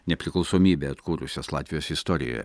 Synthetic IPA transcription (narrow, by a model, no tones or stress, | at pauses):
nʲɛpʲɾʲɪklˠɐʊsoːmʲiːbʲeɐt̪kuːɾʊsʲoslˠɑ̰ːt̪ʲʋʲɪjoːsɪst̪ɔɾʲɪ̰jo̰jɛ̰